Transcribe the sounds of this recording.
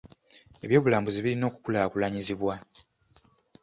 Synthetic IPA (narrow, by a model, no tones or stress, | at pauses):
e̞βjo̞ːβulaːmbuziβilino̞ːku̥kulaːkulaɲiziβwa